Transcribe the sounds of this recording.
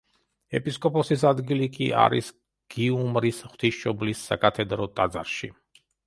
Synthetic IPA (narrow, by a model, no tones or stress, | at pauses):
ɛpʼiskʼɔpʼɔsisad̪ɡilikʼia̰ɾḭs | ɡ̥iumɾisχw̥t̪ʰisʃɔblisːakʼat̪ʰɛd̪ɾɔt̪ʼad̪za̰ɾʃi